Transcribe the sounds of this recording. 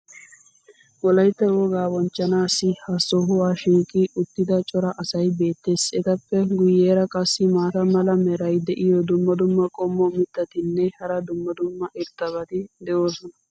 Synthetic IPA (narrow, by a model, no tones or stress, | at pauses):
wɔlɐjt̪ːɐwɔɡaːwɔnt͡ʃːɐnaːsːɪhɐsːɔɦʊwaːʃiːkʼːiʔʊt̪ːɪd̪ɐt͡ʃʼɔɾɐʔɐsɐjbe̞ːt̪ːe̞ːsɛt̪ɐpːɛɡʊjːeːɾɐkʼɐsːɪmaːt̪ɐmɐlɐmɛɾɐjd̪ɛʔɪjɔd̪ʊmːɐd̪ʊmːɐkʼɔmːɔmɪt̪ːɐt̪ɪnːɛhɐɾɐd̪ʊmːɐd̪ʊmːɐʔɪɾt̪ːɐβɐt̪ɪd̪ɛʔo̞ːsɔnɐ